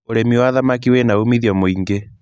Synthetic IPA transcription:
oɾemiwaːðamak̬iwenaumiðjɔmoiŋɡe

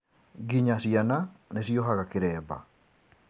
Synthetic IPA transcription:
ɡiɲasiananeʃjɔɦaɣakeɾɛːba̰

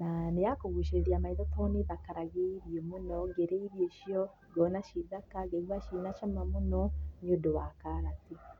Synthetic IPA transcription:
nanejakoɣuʃeɾɾiamaiðɔtʰɔneðakaɾaɣeiɾjemunɔɡɛɾeiβjeʃiɔ | ɡɔnaʃiðakaɣeɡwaʃinaʃamamunɔɲodowakaɾati

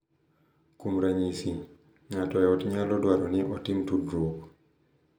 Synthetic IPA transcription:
kumɾaɲisi | ŋatɔɛɔtɲalɔdwaɾɔniʔɔtimtudɾok

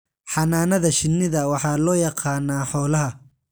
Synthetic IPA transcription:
ħɑnaːnɐðɐʃɪnːɪðɐwɑħɑːlɔːjɑqʰɑːnaːħɔːlɐɦɐ

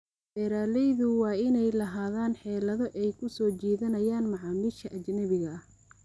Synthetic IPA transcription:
bɛːɾaːlɛjðʊwɑːɪnɛjlɐɦaːðaːnħɛːlɐðɔʔɛjkʰʊsɔːt͡ʃiːðɐnɐjaːnmɑʕɑːmiːʃkɐʔɐt͡ʃnɐβɪɣɐɐh

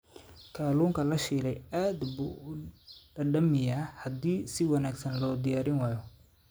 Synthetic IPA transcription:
kʰaːluːŋkʰɐlɐʃiːlɛjaːd̪buːʊɖɐɖɐmɪjahɐd̪iːsɪwɑnaːɡsɐnlɔːd̪ɪjaːɾɪnwɑːjɔ

